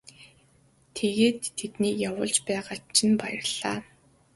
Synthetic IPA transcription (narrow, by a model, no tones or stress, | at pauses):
t̪ʰeɣeːt̪ʰːet̪niːjawʊ̰ːɮt͡ɕpæːʁaːt͡ɕʰɪ̆npajə̆rɮ̥aː